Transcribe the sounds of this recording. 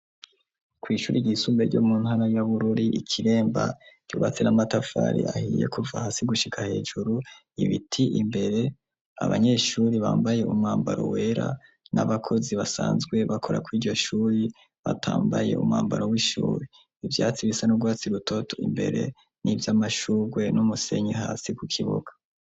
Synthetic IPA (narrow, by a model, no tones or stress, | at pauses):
kwiːʃuːɾiɟisumbeɾɟo̰muːn̥haɾajaβuɾuɾiʔikʰiɾe̞ːmba̰ɟ̥uβat͡senamatafa̰ɾḭahiːje̞̰kuvahasiɡuʃikʰahe̞ːʒuɾu | iβitʰiʔimbe̞ɾe̞ | a̰βa̰ɲe̞ːʃuːɾiβaːmbaje̞umŋaːmbaɾo̞̰we̞ːɾa̰ | naβakʰo̞ziβasaːnzɡwe̞βakʰo̞ɾakwiːɟo̞ʃuːɾi | βa̰tʰaːmbaje̞̰ṵmŋaːmbaɾo̞wiʃṵːɾi | ivjaːt͡siβisanuɡwaːt͡siɾutʰo̞tʰo̥imbe̞̰ɾe̞̰ | nivjamaʃuɡwe̞numuse̞ɲiɦaːsikukʰiβo̰ɡḁ